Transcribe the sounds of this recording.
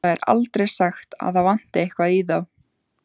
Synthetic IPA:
aɛɾa̰lt̪ɾejsaxt̪a̰ðθawvan̥t̪ɪejhkvaðiðaw

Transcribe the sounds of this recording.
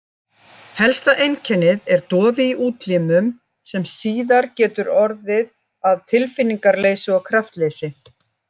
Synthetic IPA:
hɛlst̪aʔejncʰɛnːɪðɛɾt̪ɔːvɪiʔuːt̪limʏm | sɛmsiːðaɾcɛːt̪ʏɾɔɾðɪð | aðt̪ʰɪlfɪnːiŋkaɾleːjsʏɔkʰɾaft̪leːjsɪ

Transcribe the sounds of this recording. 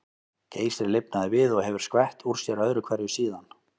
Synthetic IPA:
cʰeːjsɾɪlɪp̚naðɪvɪðɔɣɦɛvʏɾ̥skvɛht̪uɾ̥sjɛɾœðɾʏkʰv̥ɛɾjʏsiːðan

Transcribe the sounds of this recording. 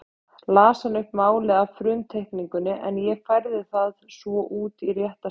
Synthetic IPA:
laːsanʏhpmaːwlɛːɣafɾʏmt̪ʰejhkniŋkʏnːɪʔɛnjɛɣfajɾðɪθaðsvɔʔuːt̪irjɛht̪a

